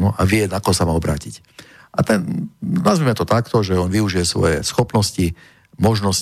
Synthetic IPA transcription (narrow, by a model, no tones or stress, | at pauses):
nuʔaʋɪɛnakɔɦɔsamaːɔbɾaːcic | ʔat̪ɛnnazmimɛt̪ɔt̪akt̪ɔʒɛɔnʋiuʒijɛsʋɔ̰jɛ̰sxɔpnɔsci | mɔʒnɔs